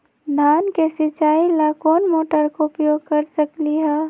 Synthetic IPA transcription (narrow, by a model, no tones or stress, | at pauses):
d̪ʱaːnkesɪt͡ʃaːilakoːnmoːʈəɾkoʊpjoɡ̚kəɾsəkliɦɛ